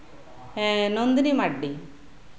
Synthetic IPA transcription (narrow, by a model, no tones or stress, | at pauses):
enond̪inimɐɖːi